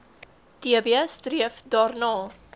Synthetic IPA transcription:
tiəbiəstriəfdɑːrnɑː

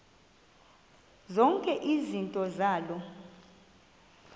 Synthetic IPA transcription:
zɔŋkʼɛʔizintʼɔzaːlɔ

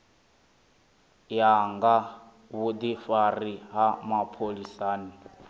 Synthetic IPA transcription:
jaŋɡa | βud̪ifaɾiɦamapʰolisaːni

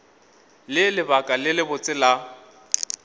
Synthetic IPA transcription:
lɪlɪbakʼalɪlɪbʊt͡sʼɪla

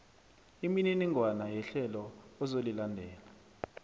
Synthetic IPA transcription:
imininiŋʱwanajɛɬɛlɔɔzolilandʱɛːla

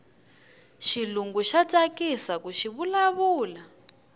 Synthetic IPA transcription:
ʃiluŋɡuʃat͡sʼakisakuʃiβulaβuːla

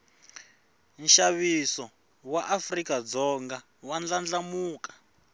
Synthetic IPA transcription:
nʃaβisɔ | waʔafrikad͡zɔŋɡa | wand͡ɮand͡ɮamuːkḁ

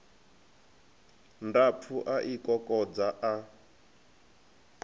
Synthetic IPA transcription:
ndap̪fʰuʔaʔikɔkʼɔd͡zaʔa

